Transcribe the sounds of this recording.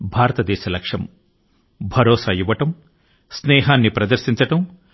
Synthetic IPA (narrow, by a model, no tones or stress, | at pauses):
bʱaːɾɐt̪ɐd̪ɛːʃɐlɐkʂɐm | bʱɐɾoːsaːjuʋːɐʈɐm | snɛːɦaːnːipɾɐd̪ɐɾʃiɲt͡ʃɐʈɐm